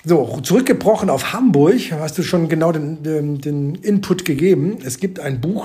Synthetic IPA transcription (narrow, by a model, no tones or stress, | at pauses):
zoːt͡suʁʏk̚ɡ̥əbʁɔχn̩aʊfhambʊɐçhastd̥uːʃoːnɡənaʊdeːnɛdeːnʔɪnpʰʊtɡ̥əɡeːbm̩ɛsɡ̥iːp̚taɪnbuːx